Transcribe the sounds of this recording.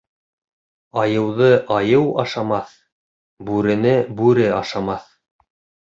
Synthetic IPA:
ɑjɤ̆wðɤʔɑjɤwɑʃɑmɑθ | bʉɾɘ̆nɘbʉɾɘɑʃɑmɑθ

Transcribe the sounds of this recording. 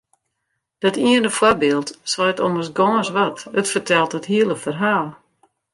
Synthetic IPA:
d̥ɔtiənəfwarbɪəlˠtsɔjtɔməsɡɔːsʋatətfərtʰɛlˠtətɦiəlˠəfərɦaːlˠ

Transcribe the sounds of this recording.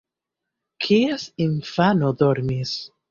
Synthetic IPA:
kʰiesiɱfanoðoɾmis

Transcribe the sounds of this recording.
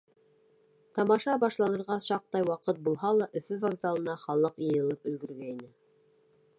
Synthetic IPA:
t̪ɑmɑʃɑbɑʃlˠɑnɤ̆ɾʁɑʃɑq̚t̪ɑjwɑqɤt̪̚bulˠɦɑlˠɑʔɵ̆fɵvɐɡzalˠɤ̆nɑχɑlˠɤqjɤ̆jɤ̆lˠɤpɵ̆j̪ɡɵ̆ɾɡæinɘ

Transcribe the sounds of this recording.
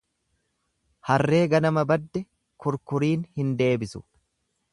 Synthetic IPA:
hɐrːe̞ːɡɐnɐmɐbɐd̪ːɛ | kʊɾkʊɾiːnhɪnd̪e̞ːbɪsʊ̥

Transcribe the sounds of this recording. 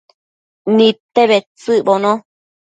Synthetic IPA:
nĩt̪eβet͡sɨʔbonõ

